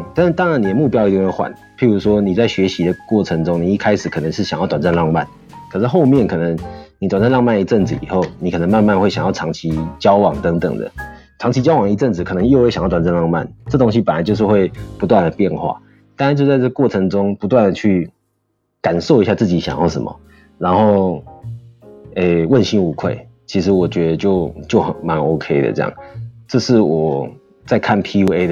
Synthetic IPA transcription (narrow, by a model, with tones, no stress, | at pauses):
t̪a˥˧nʂ̩˥˩t̪ɑ˥ŋɻa˧ni˨˩d̪ə˨mu˥˧˩pjɑ˥ʊi˧t̪i˥˧ŋwe˥˩xwa̰˨˩˦n | pʰi˧˥ɻu˧˥ʂwɔ˥ni˨˩t͡sa˥˩ɪɕɥɛ˧˥ɕi˧˥d̪ə˨kwɔ˥˩ʈ͡ʂʰə˧˦˥ŋʈ͡ʂʊ˥ŋni˨˩i˥˩kʰa˥ɪʂɻ̩˨˩kʰɤ˨˩nə˧˦ŋʂɻ̩˥˩ɕjŋjɑ˥˩ʊt̪wnt͡sa˥˧nlɑ˥˧ŋma̰˥˩n | kʰɤ˨˩ʂɻ̩˥˧xo˥˧ʊmjɛ˥˩nkʰɤ˨˩nə˧˦ŋni˨t̪wa˨˩nt͡sa˥˧lɑ˥˧ŋma˥˩ni˧˥ʈ͡ʂə˥˩nt͡sɹ̩˨ḭ˨˩xo˥˩ʊni˨kʰɤ˨˩nə˧˦ŋma˥˧nma˥˧nxwe˥˩ɕjɑ˨˩ŋjɑ˥˩ʈ͡ʂʰɑ˧˥ŋt͡ɕʰi˧˥t͡ɕjɑ˥ʊwɑ˨˩ŋt̪ə˧˦ŋt̪ə̰˨˩ŋd̪ə̰˩ | ʈ͡ʂʰɑ˧˥ŋt͡ɕʰi˧˥t͡ɕjɑ˥ʊwɑ˨ŋi˧˥ʈ͡ʂə˥˩nd͡zɹ̩˨˩kʰɤ˨˩nə˧ŋjo˥˧ʊxwe˥˩ɕjt̪a˨˩t͡sa˥˧nlɑ˥˧ŋma̰˥˩nʈ͡ʂɤ˥˩t̪o˥ŋɕ̬i˦pə˨˩nla˨˦t͡ɕjo˥˧ʊʂ̬̩˥˧xwe˥˩ɪpu˧˥t̪̬wa˥˨˩nd̪ə˩pjɛ˥˧˨nxwa̰˥˩ | t̪a˥˧na˥˧nt͡ɕjo˥˧ʊt͡sa˥˧ʈ͡ʂɤ˥˩ɡə˩kwɔ˥˩ʈ͡ʂʰɤ˧˥ŋʈ͡ʂʊ˥ŋpu˧˥t̪wa˥˩nd̪ə˩t͡ɕʰy˥˩ | ka˨˩nso˥˩ʊi˧˥ɕja˥˧t͡sɹ̩˥˩t͡ɕi˨˥ɕjɑ˨˩ŋjɑ˥˩ʊʂə̰˨˦mə̰˩ | ɻa˧˥nxo˥˩ʊ | e˥˧wə˥˨˩nɕi˥ŋu˧˥kʰwe˥˩ɪt͡ɕʰi˧˥ʂɻ̩˧˦wɔ˨˩t͡ɕɥɛ˧˦˥d̪ə˧t͡ɕjo˥˩ʊt͡ɕjo˥˩ʊxə˨˩nma˧˦no˥ʊkʰe˥ɪd̪ə̰˨ʈ͡ʂɤ˥˧jɑ̰˥˩ŋʈ͡ʂɤ˥˧ʂɻ̩˥˩wɔ˨˩ | t͡sa˥˧ɪkʰa˥˩npʰi˥u˧˥e˦ɪ